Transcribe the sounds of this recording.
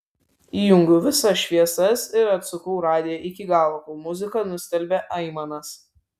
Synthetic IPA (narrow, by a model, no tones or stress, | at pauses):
iːjʊŋʲɡʊʋʲɪsɐʃʲʋʲiɛsɐsɪɾɐt̪sʊkɔʊɾɑːd̪ʲɪjɛʔɪkʲɪɡɑːlˠokumʊzʲɪkɐˑnʊsʲt̪ʲɛlʲbʲeʔɐɪmɐnɐs